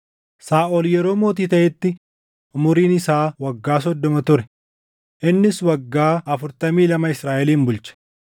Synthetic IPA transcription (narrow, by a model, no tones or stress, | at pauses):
saːʔɔljɛɾo̞ːmo̞ːt̪̬iːt̪ɐʔɛt̪ːɪ | ʊmʊɾiːnɪsaːwɐɡːaːs̬ɔd̪ːɔmɐt̪ʊɾɛ̥ | ʔɪnːɪswɐɡːaːɐfʊɾt̪ɐmiːlɐmɐɪsɾaːʔɛliːmbʊlt͡ʃɛ̥